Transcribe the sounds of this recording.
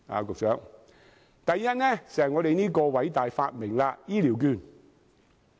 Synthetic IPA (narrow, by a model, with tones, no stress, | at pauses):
a̰ː˨˧kʊ˨k̚sœː˨˥k̚ | t̪ɐ˨jːɐ˥t̚nɛː˥sɛː˨˩ŋɔː˨˧ɾe˨jniː˥kɔː˧wɐ˨˥jt̪aː˨jfaː˧t̚mɪ˨˩ŋlaː˧jiː˥liː˨˩wkyː˨˧˩n